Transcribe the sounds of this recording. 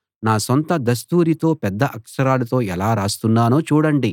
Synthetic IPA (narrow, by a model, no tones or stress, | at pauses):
naːsɔnt̪ɐd̪ɐs̬t̪uːɾit̪o̞ːpɛd̪ːɐʔɐkʂɐɾaːlɐt̪o̞ːɛlaːɾaːst̪unːaːnoːt͡ʃuːɽɐɳɖi